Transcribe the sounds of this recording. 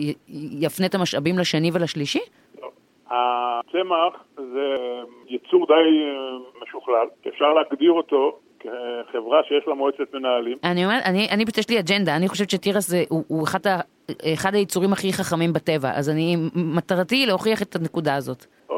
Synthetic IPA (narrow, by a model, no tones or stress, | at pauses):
jafnet̪amaʃabimlaʃenivelaʃliʃi | lov | at͡semaχ | ze | jit͡suʁd̪ajmeʃuχlalkefʃaʁleaɡd̪iʁot̪o̞ | keχevʁaʃejeʃlamoet͡setmenaalimaniomeʁʔaniʔanibteʃliad͡ʒe̞ndaːniχo̞ʃevet͡ʃʃetiʁaszeʔuʔueχad̪a | eχad̪hajit͡suʁimaχiχaχamimbate̞va̰ʔa̰zanimat̪aʁatileho̞χiaχe̞t̪ʰanekudaːzo̞t | o